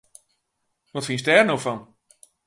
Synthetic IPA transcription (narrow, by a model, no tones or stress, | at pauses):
ʋɔtfinsdɛːrnowfɔn